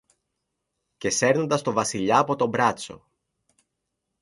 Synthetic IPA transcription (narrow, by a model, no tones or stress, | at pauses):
ce̞se̞ɾno̞nd̪ɐst̪o̞vɐsiʎɐːpo̞t̪o̞mbɾɐt͡so̞̰